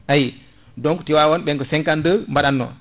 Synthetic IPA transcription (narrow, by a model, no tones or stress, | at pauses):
ʔaji | dɔŋku̥tiwawɔnɓɛŋkɔsɛŋkandəmbaɗanːɔ̰